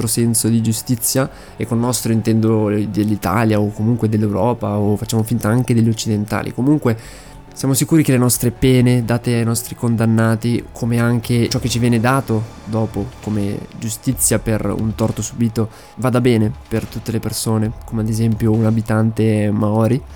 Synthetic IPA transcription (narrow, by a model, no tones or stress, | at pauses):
ɾosɛnsod̪id͡ʒust̪it̪sːja | ɛkːolnɔst̪ɾoint̪ɛnd̪od̪elːit̪a̰ːljaokːomuŋkwed̪elːewɾɔːpaofat͡ʃːaːmofint̪aaŋk̟ed̪elʎːot͡ʃːid̪ent̪a̰ːlḭkomuŋkwe | sjaːmosikuːɾik̟elenɔst̪ɾepɛːned̪aːt̪eajnɔst̪ɾikond̪anːaːt̪ikʰomeaŋk̟ʰet͡ʃɔkːet͡ʃːivjɛːned̪aːt̪o | d̪ɔːpokomḛd͡ʒust̪it̪sːjaperṵnt̪ɔrt̪osubiːt̪o | vaːd̪abɛːnepert̪ut̪ːelepersoːnekomead̪ezɛmpjounabit̪ant̪emaɔːɾi